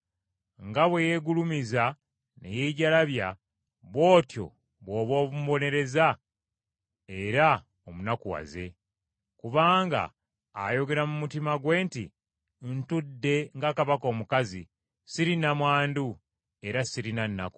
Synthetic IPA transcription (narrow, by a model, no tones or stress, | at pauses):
ŋɡaβweje̞ɡulumiza | ne̞̰jeːɟalaβja | βwo̞ːtjo̞̰ | βwo̞ːβo̞ːβumβo̞ne̞ɾe̞za | eɾa | omunakuwa̰ze̞̰ | kuβaːŋɡa̰ː | jo̞ɡe̞ɾamumutimaɡwe̞ːntḭ | ntudːe̞ŋɡakaβako̞ːmukazḭ | siɾinamwaːndu | e̞ɾasiɾinanːa̰ku̥